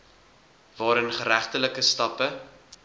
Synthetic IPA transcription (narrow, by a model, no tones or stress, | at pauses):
vɑːɾənχəɾæχtələkəstɐpə